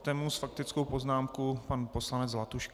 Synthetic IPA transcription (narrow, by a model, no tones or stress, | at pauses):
t̪ɛːmusfak̚t̪ɪt͡skowpo̞znaːmkupanpo̞slanɛd͡zlat̪uʃk